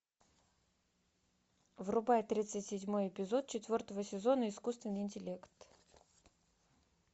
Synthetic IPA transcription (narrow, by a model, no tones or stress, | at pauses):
vrʊbajt̪ɾʲit̪sɨtʲsʲɪdʲmo̞jɪpʲɪzo̞t̪̚t͡ɕɪt̪vʲo̞rt̪əvəsʲɪzo̞nəɪskust̪vʲɪnːɨjɪnʲtʲɪlʲe̞kt̪